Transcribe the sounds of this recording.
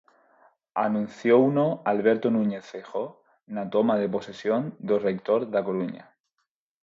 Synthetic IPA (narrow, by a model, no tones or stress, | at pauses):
anũn̟θjounoalβe̞ɾt̪onũɲe̞θːexo | nat̪o̞maðe̞po̞sesjond̪orek̚t̪oɾðakoɾuɲa̰